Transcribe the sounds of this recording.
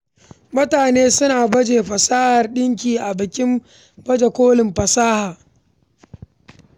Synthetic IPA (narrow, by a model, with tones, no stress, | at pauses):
mʊ˦taː˨neː˦sʊ˦naː˨bɐ˦d͡ʒeː˨ɸɐ˨saː˦hɐ˨rɗɪ˦ŋk̬ʲiː˨ʔa˨bɪ˨kʲɪ˦m | bɐ˦d͡ʒe˨kʷoː˦lɪ˨mɸɐ˨saː˦haː˨